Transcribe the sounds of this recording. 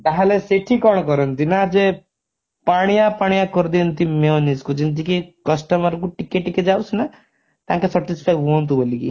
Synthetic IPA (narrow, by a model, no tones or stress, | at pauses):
d̪aɦaleseʈʰikɔɳ̃kɔɾɔnt̪inad͡ʒe | paɽ̃ijapaɽijakɔɾd̪iənt̪imeoniskud͡ʒint̪ikikəsʈəməɾkuʈikːeʈiked͡ʒausna | t̪ãːkesəʈispʰajkʋont̪ubolikḭ